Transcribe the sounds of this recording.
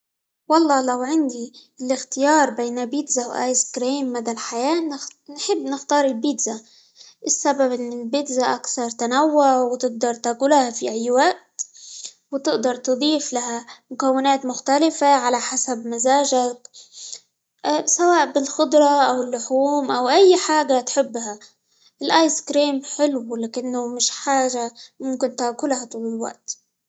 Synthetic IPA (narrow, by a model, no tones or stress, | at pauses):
wɑlˤːɑːlawʕɪnd̪ilɪxt̪ɪjɑːɾˤbeːnabiːd̪zawʔa̰ːjskɾiːmːad̪alħajaːnħɪbːnɪxt̪ɑːɾˤɪlbiːd̪za | ʔɪsːababʔɪnːɪlbiːd̪zaʔakθɑɾˤt̪anawːʊʕwt̪ɪʔ̚d̪ɑɾˤt̪akuːlahafiʔajːwaʔt̪ | wt̪ɪʔd̪ɑɾˤt̪ɨd̪ˤiːflaɦamʊkawːɪnaːt̪mʊxt̪alɪfaʕalaħasabmazaːʒak | sawaːʔbɪlxʊd̪ˤɾˤɑʔawɪlːʊħuːmʔawʔajːħaːɡat̪ħɪbːha | ʔɪlʔajskɾiːmħɪlwlaːʔɪnːʊmɪʃħaːʒamʊmkɪnt̪aːkʊlhat̪ulɪlwa̰ʔt̪